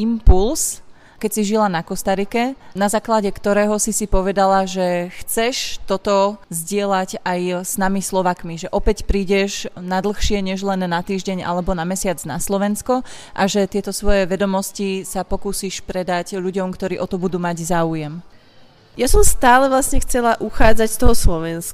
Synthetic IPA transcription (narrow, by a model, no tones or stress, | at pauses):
impuls | kɛcsiʒilanakɔst̪aɾikɛnazaːklaɟɛkt̪ɔɾɛːɦɔsisipɔʋɛd̪alaʒɛxt͡sɛʃt̪ɔt̪ɔzɟɪɛlaɟajsnamislɔʋaːkmiʒɛʔɔpɛcpɾiːɟɛʒnad̪l̩ˠxʃɪɛɲɛʒlɛnːat̪iːʒɟɛɲʔa̰lɛbɔnamɛsɪad͡zna̰slɔʋɛnskɔ | ʔaʒɛt̪ɪɛt̪ɔsʋɔjɛʋɛd̪ɔmɔscisapɔkuːsiʃpɾɛd̪aɟʎuɟɔmkt̪ɔɾiːʔɔt̪ɔbud̪uːmaɟzaːujɛm | jasɔmst̪aːlɛʋlasɲɛxt͡sɛlaʔuxaːd͡zacst̪ɔɦɔslɔʋɛnsk